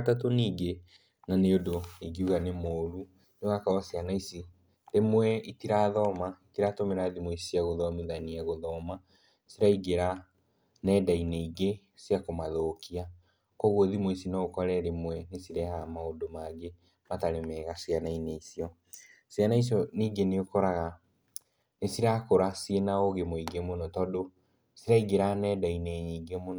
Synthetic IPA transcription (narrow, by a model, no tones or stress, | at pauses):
tatoniɡe | naneodoiɡiuɣanemoːɾu | neoɣakaasianaisi | ɾemwɛitiɾaːðɔmaitiɾatomeɾaðimoisiaɣoðɔmiðaniaɣoðɔma | siɾaiɣeɾa | nɛːdaineiɡe | sjakomaðokia | kɔɣwɔðimwesinɔɣokɔɾɛɾemwɛnesiɾɛhamaodomaɡe | mataɾemɛːɣasianaineisiɔ | sianais̬iɔniːɡeneokɔɾaɣa | nesiɾakoɾasienaoɣemoiɡemonɔtɔdo | siɾaiɡeɾanɛdaineɲiːɡemon